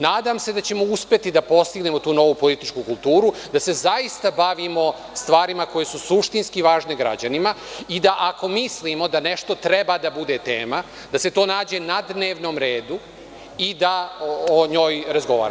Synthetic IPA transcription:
naːd̪amse̞d̪at͡ɕe̞mo̞uspe̞t̪id̪apo̞st̪iɡnemo̞t̪uːno̞ʋupo̞lit̪it͡ʃkukulˠt̪uːɾud̪ase̞zaist̪abaʋimo̞ | st̪ʋaːɾimako̞je̞susuʃt̪inskiʋaːʒneɡɾa̰d͡ʑanima | id̪aʔako̞mislimo̞d̪ane̞ʃt̪o̞t̪ɾe̞bad̪abud̪et̪eːma | d̪ase̞t̪oːnaːd͡ʑe̞nad̪neːʋno̞mɾeːd̪u | id̪aoɲo̞ːjɾazɡo̞ʋa̰ːɾa̰

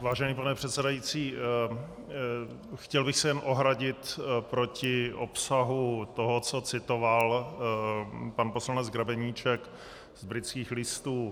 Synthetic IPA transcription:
vaːʒɛniːpanɛpr̥ɛt̪sɛdajit͡siː | xcɛlbɪxsɛjɛnʔo̞ɦɾaɟɪt̪pɾocɪʔo̞psaɦut̪oɦot͡sot͡sɪt̪oval | panpo̞slanɛd͡zɡɾabɛɲiːt͡ʃɛk | zbɾɪtt͡skiːxlɪst̪uː

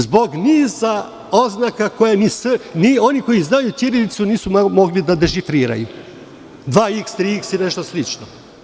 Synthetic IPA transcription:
zbo̞ɡniːza | o̞znakako̞janisenio̞niko̞jiznajut̪jiɾelit̪suniːsumo̞ɡlid̪ad̪eʃifɾiːɾa̰ju | d̪ʋaːikst̪ɾiksine̞ʃt̪o̞slit͡ʃno

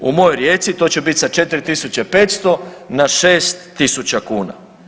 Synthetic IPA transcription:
ṵmo̞jojɾjet̪sit̪o̞ːt͡ɕebit̪ʲsat͡ʃe̞t̪iɾit̪isut͡ɕepe̞ːt̪st̪o̞naʃeːst̪ːisut͡ɕakuːna̰

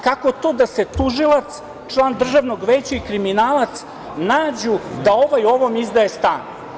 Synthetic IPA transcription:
kako̞t̪oːd̪ase̞t̪uʒilˠat̪s | t͡ʂlˠaːnd̪r̩ʒaʋnoɡʋeːt͡ɕaikɾiminaːlˠat̪s | naːd͡ʑud̪ao̞ʋajo̞ʋomizd̪aest̪a̰ːn

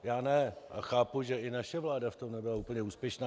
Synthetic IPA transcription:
jaːnɛʔa̰xaːpuʒɛɪnaʃɛvlaːdaft̪omnɛbɪlauːpl̩ɲɛuːspjɛʃnaː

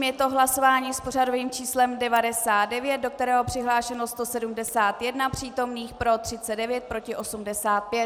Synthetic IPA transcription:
mjɛt̪o̞ɦlaso̞vaːɲiːspo̞rado̞viːmt͡ʃiːslɛmdɛvadɛsaːt̪̚dɛvjɛt̪̚do̞k̚t̪ɛɾɛːɦo̞pr̥ɪɦlaːʃɛnost̪o̞sɛdumdɛsaːt̪jɛdnapr̥iːt̪o̞mniːxpɾo̞t̪r̥ɪt͡sɛdɛvjɛt̪̚pɾo̞cɪʔo̞sumdɛsaːt̪̚pjɛt̪

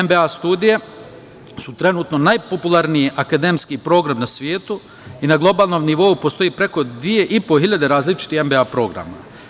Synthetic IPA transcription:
embeaːst̪uːd̪ije | sut̪ɾe̞nuːt̪no̞najpopulˠaɾnijiʔakad̪e̞mskiːpɾo̞ːɡɾamnasʋjeːt̪u | inaɡlˠo̞baːlˠno̞mniʋo̞upo̞st̪o̞jiːpɾe̞ko̞d̪ʋije̞ʔipo̞ɦiʎad̪e̞ɾaːzlit͡ʃi̥t̪ixembeaːpɾo̞ɡɾa̰ma̰

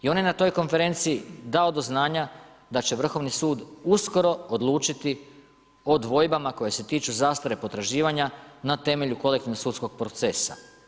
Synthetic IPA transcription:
io̞njenat̪o̞jko̞nfe̞ɾe̞nt̪siːd̪ao̞d̪o̞znaːɲa | d̪at͡ɕe̞ʋr̩xo̞ʋnisuːd̪usko̞ɾo̞od̪lˠuːt͡ʃit̪i | o̞d̪ʋo̞jbamako̞je̞se̞t̪iːt͡ʃuzast̪aɾe̞po̞t̪ɾaʒiːʋaɲanat̪e̞me̞ʎuko̞lek̚t̪inosuːt̪sko̞ɡ̚pɾo̞t̪se̞sa̰

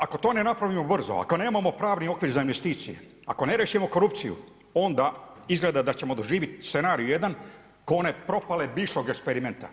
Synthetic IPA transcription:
ako̞t̪o̞ːne̞napɾaʋimobr̩zo̞̰a̰ko̞ne̞ːmamo̞pɾaːʋnio̞kʋiɾzainʋe̞st̪iːt̪sije̞̰ | a̰ko̞ne̞ɾeʃimo̞ko̞ɾupt̪sijṵ | o̞nd̪a | izɡled̪ad̪at͡ɕemod̪oʒiːʋit̪st̪se̞naːɾijuje̞d̪an | koone̞pɾo̞palebiʃoɡekspe̞ɾime̞nt̪a̰

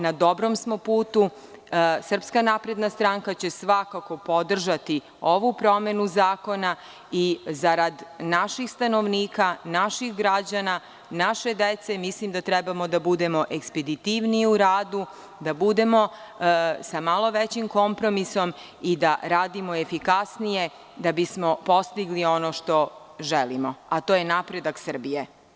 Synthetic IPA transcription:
nad̪o̞bɾomsmo̞puːt̪u | sr̩pskanapɾe̞d̪nast̪ɾaŋkat͡ɕe̞sʋakako̞po̞d̪r̩ʒat̪i | oʋupɾo̞me̞nuzaːko̞na | izaɾad̪naʃixst̪ano̞ʋniːkanaʃixɡɾad͡ʑana | naʃe̞d̪et̪semislimd̪at̪ɾɛbamo̞d̪abud̪e̞mo̞ʔeksped̪it̪iʋniiuɾaːd̪u | d̪abud̪e̞mo̞ | samalo̞ʋet͡ɕimko̞mpɾo̞miso̞m | id̪a̰ɾaːd̪imo̞efikasnije̞ | d̪abismo̞po̞st̪iɡlio̞noʃt̪o̞ | ʒelimoat̪oːjenapɾe̞d̪aksər̩bije

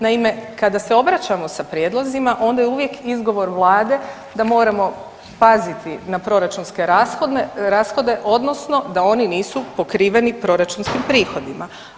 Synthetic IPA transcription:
naime̞kad̪ase̞o̞bɾat͡ʃamo̞sapɾjed̪lˠozimaʔo̞nd̪ajeuʋje̞kizɡo̞ʋo̞ɾʋlˠaːd̪e̞ | d̪amo̞ːɾamo̞ | pazit̪ʰinapɾo̞ɾat͡ʃunske̞ɾasxo̞d̪neɾaːsxo̞d̪e̞ʔo̞d̪no̞sno̞d̪ao̞niniːsupo̞kɾiːʋe̞nipɾo̞ɾat͡ʃunskimpɾiːxo̞d̪ima

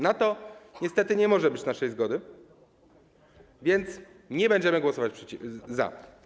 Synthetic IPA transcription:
nat̪ɔɲɛst̪ɛt̪ɘɲɛmɔʐɛbɘt͡ɕnaʂɛjzɡɔd̪ɘ | vʲjɛnt̪s | ɲɛbɛɲd͡ʑɛmɘɡwɔsɔvat͡ɕpʂɛt͡ɕiza̰

